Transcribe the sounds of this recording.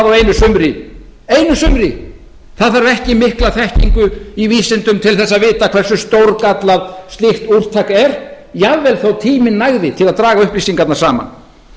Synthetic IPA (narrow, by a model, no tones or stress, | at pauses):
ðawejnʏsʏmɾɪ | ejnʏsʏmɾɪ | θaðθaɾvɛhcɪmɪhklaθɛhciŋkʏiviːsɪnt̪ʏmt̪ʰɪlθɛsːaðvɪːt̪akʰv̥ɛr̥sʏst̪owɾkat̪laðst̪ɪht̪ur̥t̪ʰakɛɾ̥ | javːɛlθowt̪ʰiːmɪnːaɣðɪt̪ʰɪlaðt̪ɾaːɣaʏhplisiŋkat̪naɾ̥saːma̰n